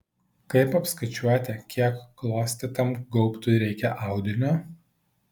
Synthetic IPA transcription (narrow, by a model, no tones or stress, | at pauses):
kɐɪpɐpskɐɪt͡ʃʲuɔt̪ʲɛkʲiɛkːlˠoːsʲt̪ʲɪt̪ɐmɡɔʊpt̪ʲʊɾʲɛɪkʲɛʔɑˑʊd̪ʲɪnʲo